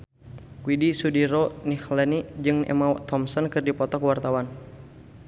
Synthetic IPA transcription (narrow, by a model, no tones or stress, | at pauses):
kwidisudiɾɔnihlɛnid͡ʒɨŋɛ̰mawt̪ɔmsɔnkɨrdipɔt̪ɔkwart̪awan